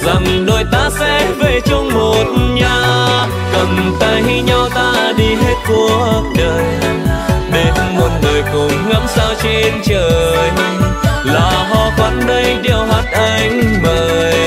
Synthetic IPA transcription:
za˨˩ŋɗo˨˩jt̪aː˧sɛ˧˥ve˨˩t͡ɕʊ˧ŋ͡mmo˨˩t̩̚˧ɲaː˧ | kə˨˩nt̪aː˧jɦi˧ɲa˧wt̪aː˧ɗi˧ɦe˦˥t̚ku˧˩əɗəː˨˩j | ɗe˧˩mo˨˩n̚ləː˨˩jkʊ˨˩ŋ͡mɣa˧˥msaː˧wt͡ɕe˧nt͡ɕəː˨˩j | laː˨˩ɦɔ˧˩kwa˨˥nɗə˧jɗi˧˩əwhaː˨˩n̚ʔa˧jŋ̟vəː˨˩jj

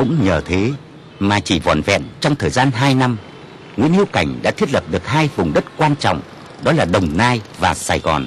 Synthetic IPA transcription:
kʊ̰˧˥ŋ͡mɲəː˨˧˩t̪ʰe˨˦ | maː˨˩t͡ɕi˧˩vɔ̰˧˩˨nvɛ̰˧˨nt͡ɕɔ˧wŋ͡mt̪ʰəː˨˩jzaː˧nɦaː˧jna˧m | ŋwḭ˧˥ənhi˧wka˧˩jŋ̟ɗa̰ː˧˥t̪ʰi˦˥ət̚lə˨˩p̚ɗɨ˨˩ək̚haː˧jvʊ˨˩ŋ͡mɗə˦˥t̚kwaː˧nt͡ɕɔ̰˧˨wŋ͡m | ɗɔ˨˦laː˨˩ɗə˨˩wŋ͡mnaː˧jvaː˨˩saː˧˩jɣɔ̰˨˩n

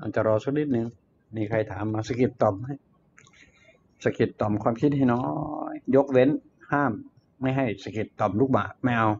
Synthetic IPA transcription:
ʔa̰˨˩t͡ɕa˨˩ɾɔː˧sa˧˦˩k̚ni˧˥t̪̚nɯ˧ŋ | miː˧kʰa˧jt̪ʰaː˨˩˦mːaː˧sa˧ki˨˩t̪ːɔ˨˩mɦa˧˥˩j | sa˧ki˨˩t̪ːɔ˨˩mkʰwaː˧mkʰi˦˥t̪̚ha˥˩jnɔː˦˥jjo˦˥k̚we˧˥n | haː˥˩mː | a˥˩jɦa˧˩jsa˧ki˨˩t̪ːɔ˨˩mluː˦˧˩k̚ma̰˧˩ʔma˥˩jʔa˧w

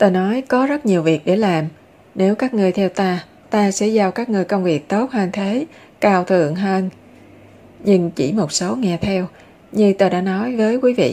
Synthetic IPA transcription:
t̪oː˧jnɔ˨˦jkɔ˨˦zə˦˥t̚ɲi˨˩əwvi˨˩ək̚ɗe˧˩laː˨˩m | ne˨˦wkaː˦˥k̚ŋɨ˨˩əjt̪ʰɛ˧wt̪aː˧ | t̪aː˧sɛ̰˧˥zaː˧˩wkaː˦˥k̚ŋɨ˨˩əjkə˧wŋ͡mvi˨˩ək̚t̪o˦˥t̚həː˧nt̪ʰe˨˦ | kaː˧wt̪ʰɨ̰˧˨əŋɦəː˧n | ɲɨ˧ŋt͡ɕḭ˧˩mo˨˩t̚so˨˦ŋɛ˧˩t̪ʰɛ˧w | ɲɨ˧t̪oː˧jɗa̰ː˧˥nɔ˨˦jvəː˨˦jkwi˨˦vḭ˧˨

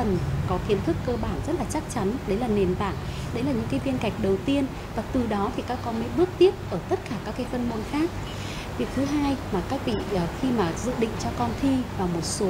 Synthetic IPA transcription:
ə˨˩nkɔ˨˦xi˨˦ənt̪ʰɨ˦˥kːəː˧ɓaː˧˩nzə˦˥t̚laː˨˩t͡ɕa˦˥k̚t͡ɕa˨˦nɗə˨˦jlaː˨˩ne˨˩nt̪a̰ː˧˨n | ɗə˨˦jlaː˨˩ɲɨ̰˧˥ŋkaː˨˦jvi˧ənka˨˩jk̟̚ɗə˨˩wt̪i˧ən | vaː˨˩k̚t̪ɨ˨˩ɗɔ˨˦t̪ʰi˨˩kaː˦˥kːɔ˧nmə̰˧˥˦jɓɨ˦˥ək̚t̪i˦˥əp̚ʔəː˧˩t̪ə˦˥t̚kaː˧˩kaː˦˥kːaː˨˦jfə˧nmo˧nxaː˦˥k̚ | vi˨˩ək̚t̪ʰɨ˨˦ɦaː˧jmaː˨˩kaː˦˥k̚vḭ˧˨˩xi˧maː˨˩zɨ̰˧˨ɗḭ˧˨ŋ̟t͡ɕɔ˧kɔ˧nt̪ʰi˧vaː˨˩wmo˨˩t̚su˨˦

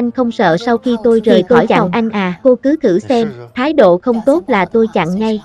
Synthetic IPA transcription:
ʔa˧jŋ̟xə˧wŋ͡msə̰ː˧˨sa˧wxi˧t̪o˧jzəː˨˩jkɔ˧˩jt͡ɕa̰˧˨wʔa˧jŋ̟ʔaː˨˩ko˧kɨ˨˦t̪ʰɨ˧˩sɛ˧mt̪ʰaː˨˦jɗo̰˧˨xə˧wŋ͡mt̪o˦˥t̚laː˨˩t̪o˧jt͡ɕa̰˧˨ŋːa˧j

